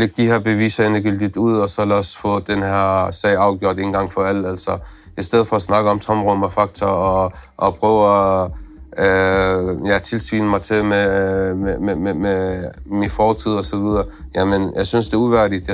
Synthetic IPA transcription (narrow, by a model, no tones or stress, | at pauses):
leɡ̥̚d̥iheɐb̥e̝ʋḭːsɐenəɡ̥yld̥id̥uð̞̰ˠɒ̽sɒ̽læsfɔd̥enheɐ̰sɛ̰ɪ̰ɑ̈ʊɡ̥jo̝ɐ̰d̥e̝ːn̩ɡ̥ɑ̈ŋ̰fɒ̽æl̰æl̰sɒ | isd̥eð̰̩ˠfɒɒsnɑ̈ɡ̥əɒ̽mt͡sʰɒ̽mʁɔmɒfɑ̈ɡ̥̚t͡sʰɐːʔːpʰʁœʊæ | jæt͡sʰe̝lsʋḭːnəmɑ̈ɪt͡sʰe̝meememememinfɒːt͡sʰið̞̰ˠɒ̽sɒ̽ʋið̞ˠɐː | jæmənjɑ̈ɪsynsd̥e̝ɐuʋæɐɾ̥id̥